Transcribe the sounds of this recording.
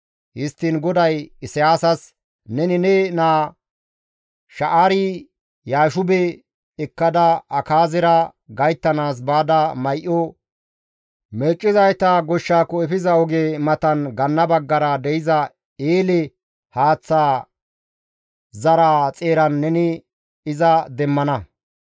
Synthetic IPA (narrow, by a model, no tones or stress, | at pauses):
hɪst̪ːɪnɡɔd̪ɐjɪsɪjaːsɐs | nɛnɪnɛnaː | ʃɐʔaɾɪː | aːʃʊbɛ | ɛkːɐd̪ɐɐkaːzɪɾɐɡɐjt̪ːɐnaːs̬baːd̪ɐmɐjʔɔ | mɛt͡ʃʼːɪzɐjt̪ɐɡɔʃːaːkːɔɛfɪzɐɔɡeːmɐt̪ɐnɡɐnːɐbɐɡːɐɾɐd̪ɛjɪzɐ | eːlɛ | haːt͡sːaː | zɐɾaːt͡sʼeːɾɐnːɛnɪ | ɪzɐd̪ɛmːɐnɐ